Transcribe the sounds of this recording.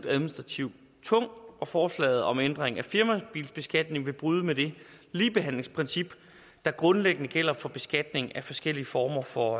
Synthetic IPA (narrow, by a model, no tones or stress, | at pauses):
d̥æðˠminisd̥ʁɑ̈t͡sʰiʊ̰ | t͡sʰɔ̽ŋ̰ɒ̽fɒːslɛ̰ɪð̩ˠɒ̽mend̥ʁeŋæfiɐmæb̥ḭːlsb̥e̝sɡ̥æd̥ne̝ŋʋe̝b̥ʁuːðˠəmed̥e̝ | liːb̥e̝ɦæn̰le̝ŋspʰʁɛnsib̥ | d̥ɑ̈ɡ̥ʁɔ̽nleɡ̥ənəɡ̥el̰ɐfɒ̽b̥e̝sɡ̥æd̥ne̝ŋæfɒ̽sɡ̥el̰iəfɒːmɐfɒ̽